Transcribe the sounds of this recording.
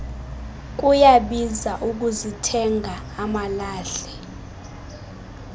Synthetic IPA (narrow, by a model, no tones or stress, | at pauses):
k̬ujaɓizaʔuk̬uzitʰɛŋʱaːmalaːɬɛ